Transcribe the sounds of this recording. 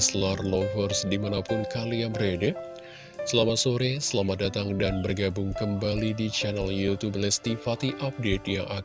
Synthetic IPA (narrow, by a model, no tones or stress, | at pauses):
slarlovərsdimanapʊnkalijaŋbəɾedə | səlamat̪soɾesəlamadat̪aŋdanbərɡabʊŋkəmbalidit͡ʃanaljut̪ublɛst̪ifat̪iʔap̚det̪̚jaŋʔa